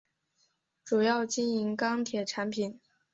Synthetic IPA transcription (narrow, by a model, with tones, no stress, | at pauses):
ʈ͡ʂu˨˩jɑ˥˩ʊt͡ɕi˥ni˧˥ŋkɑ˥ŋt̪ʰjɛ˨˩ʈ͡ʂʰa˧˥npʰi˨˩˦n